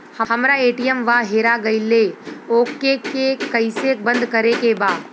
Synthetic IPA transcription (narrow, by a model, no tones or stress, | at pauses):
həhɐmɾaeːʈijəmʋaɦeːɾaɡɐileoːkːekekɐisek̚bɐ̃nd̪kɐɾekebaː